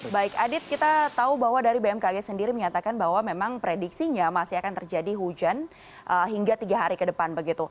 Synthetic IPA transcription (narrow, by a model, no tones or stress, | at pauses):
baɪkadɪt̪̚kit̪at̪aubaɦwadaɾibeɛmkaɡɛsəndiɾiməɲat̪akanbaɦwamemaŋpɾediksiɲamasiakant̪ərd͡ʒadiɦud͡ʒan | ʔəɦiŋɡat̪iɡaɦaɾikədəpanbəɡit̪u